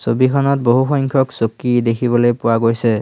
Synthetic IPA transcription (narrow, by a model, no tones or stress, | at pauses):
sobikʰɔnɔt̚boɦuxɔjŋkʰɔksokːidekʰibɔlojpʊwaɡojsɛ